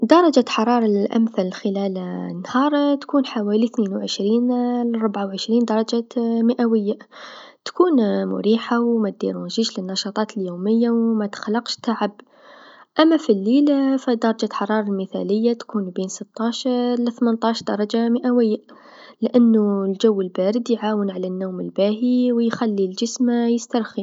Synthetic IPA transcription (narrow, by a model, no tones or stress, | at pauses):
d̪ɑɾˤɑd͡ʒaħɑɾˤɑːɾˤɑlʔa̰mθɪlxɪlæːlnːhɑːɾˤt̪ḁkuːnħawaːliθneːnwʕɪʃɾiːnlrˤːʊbʕawʕɪʃɾiːnd̪ɑɾˤɑd͡ʒamɪʔawɪjːa | t̪kuːnmʊ̰ɾiːħawmat̪̚d̪ḭɾunʒiːʃlɪnːɑʃɑt̪ˤɑːt̪ɪljuːmɪjːawmat̪xalːɑqʃt̪ːaʕab | ʔæmːæfilːiːlafid̪ɑɾˤɑd͡ʒat̪ħɑɾˤɑːɾˤɑlməθæ̰ləjːat̪kuːnbiːnsət̪ːɑʃlɪθmənt̪ˤɑːʃɾd̪ɑɾˤɑd͡ʒaməʔæwəjːa | lʔanːulʒuwːəlbæɾɪd̪jʕaːwənʕlɪnːuːməlbaɦiwjxælːilʒəsmjəst̪ɑɾˤxi